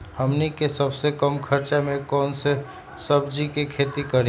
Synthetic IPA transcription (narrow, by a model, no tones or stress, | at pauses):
həmnikesəbsekəmkʰəɾt͡ʃamẽkɔːnse | səbd͡ʒikekʰeːt̪ikəɾi